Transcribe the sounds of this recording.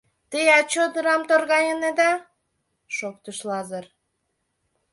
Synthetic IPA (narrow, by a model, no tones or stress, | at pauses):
t̪əjɑt͡ɕod̪ɯɾɑmt̪orɣɑjəned̪ɑ | ʃok̚t̪uʃlɑzər